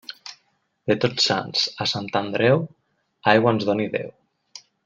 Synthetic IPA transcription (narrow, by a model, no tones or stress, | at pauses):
d̪et̪ot͡ssa̰nzəsant̪and̪ɾɛw | ajɣaənzðoniðḛw